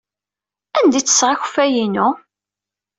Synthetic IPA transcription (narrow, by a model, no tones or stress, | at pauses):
ænd̪it͡sːə̥sʁaç̥fæjinʊ